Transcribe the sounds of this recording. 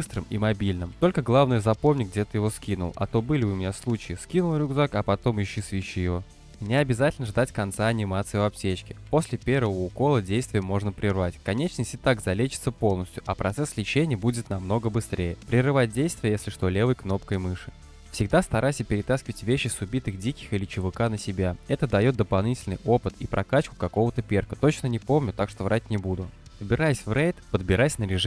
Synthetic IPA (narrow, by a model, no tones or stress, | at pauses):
bɨst̪ɾɨmḭmɐbʲilʲnɨmt̪o̞lʲkəɡlˠavnɨjəzɐpo̞mnʲɪɡ̚dʲet̪ɨjɪvo̞skʲinʊlˠɐ̰t̪o̞bɨlʲɪvɨʊmʲɪnʲaslˠut͡ɕɪjɪskʲinʊlˠɾʲʊɡzakɐpɐt̪o̞mɪɕːisvʲiɕijɪo̞ | mɪnʲɪɐbʲɪzatʲɪlʲnəʐd̪atʲkɐnt̪saɐnʲɪmat̪sɨjɪvɐp̚tʲet͡ɕkʲɪpo̞sʲlʲɪpʲe̞ɾvəvəʊko̞lˠədʲejst̪vʲɪjəmo̞ʐnəpɾʲɪrvatʲkɐnʲet͡ɕnəsʲtʲɪt̪aɡzɐlʲet͡ɕɪ̥t̪səpo̞lˠnəsʲtʲjʊʔɐpɾʔɐt̪sɛslʲɪt͡ɕenʲɪjəbudʲɪt̪nɐmno̞ɡəbɨst̪ɾʲʔejəpɾʲɪrɨvat̚ʲdʲejst̪vʲɪjəjesʲlʲɪʂt̪o̞lʲe̞vəjkno̞pkəjɪmɨʂɨ̥ | fsʲɪɡ̚d̪ast̪ɐɾajsʲəpʲɪɾʲɪt̪askʲɪvətʲvʲeɕːɪsʊbʲit̪ɨxdʲikʲɪ̥xɨlʲɪt͡ɕʊvɨkanəsʲɪbʲaɛt̪əd̪ɐjo̞t̪̚d̪əpɐlˠnʲitʲɪlʲnɨ̰jʔo̞pɨt̪ḭpɾʔɐkat͡ɕkʊ̥kɐko̞vət̪əpʲerkət̪o̞t͡ɕnənʲɪpo̞mnʲʊt̪akʂt̪o̞vɾat̚ʲnʲɪbud̪ʊ | vbʲɪɾajɪsʲvrejt̪pəd̪bʲɪɾajsʲnəɾʲɪʐ